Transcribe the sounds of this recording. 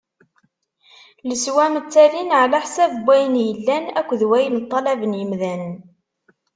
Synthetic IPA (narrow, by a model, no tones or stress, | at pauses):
ləswæmət͡sːælinʕlaħsævbʷːæjənjəlːænæ̰kʷːðwæjəlt̪ˤːɑlævənjəmðæn